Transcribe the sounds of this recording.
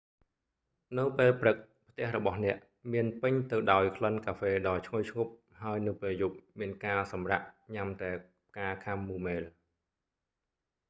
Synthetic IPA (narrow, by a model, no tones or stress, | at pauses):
nɨwpeːlprɨk̚ | pʰt̪ɛ̆əhrɔɓɑhnɛ̆əʔ | miənpɨɲt̪ɨwɗaɔjkʰlənkaːfeːɗɑːt͡ɕʰŋojt͡ɕʰŋup̚ | haəjnɨwpeːljup̚miənkaːsɑmraʔɲamt̪aɛ | kaːkʰamːuːmeːl